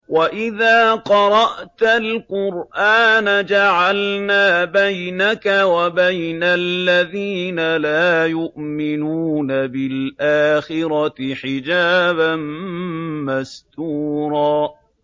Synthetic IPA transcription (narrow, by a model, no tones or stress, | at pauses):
waʔɪðaːqɑɾˤɑʔt̪alqʊɾʔaːnad͡ʒaʕalnaːbajnakawabajnalːaðiːnalaːjʊʔmɪnuːnabɪlʔaːxɪɾɑɪħɪd͡ʒaːban | mast̪uːɾˤɑː